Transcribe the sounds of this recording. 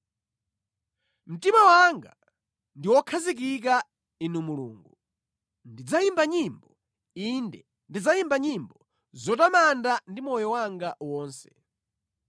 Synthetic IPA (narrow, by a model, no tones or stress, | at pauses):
m̩timawaŋɡa | ndiwɔkʰazik̬ik̬a | inumulṵːŋɡu | ndid͡zaimbaɲimbɔ | indɛ | ndid͡zajimbaɲimbɔ | zɔtamandandimɔjɔwaŋɡawɔːnsɛ̥